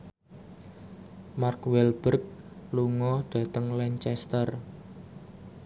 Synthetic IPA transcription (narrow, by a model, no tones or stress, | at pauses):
markwɛlb̥ərk̚luŋɔɖ̥ä̤t̪əŋlɛɲt͡ʃɛst̪ər